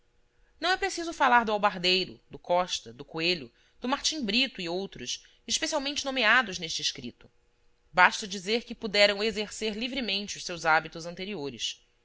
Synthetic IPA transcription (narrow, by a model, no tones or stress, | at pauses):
nɐ̃w̃ɛpɾesizʊfalaɾd̪ʊawbaɾd̪ejɾʊ̰d̪ʊkɔʃt̪ɐd̪ʊkueʎʊ | d̪̥ʊmaɾt͡ʃĩŋbɾit̪ʊiowt̪ɾʊs | iʃpesiawmẽnt͡ʃɪnomead̪ʊzneʃt͡ʃɪɪʃkɾḭt̪ʊ̥ | baʃt̪ɐd͡ʒizeɾkɪpud̪ɛɾɐ̃w̃ezeɾseɾlivɾimẽnt͡ʃɪʊʃsewzabit̪ʊzɐ̃nt̪eɾioɾɪs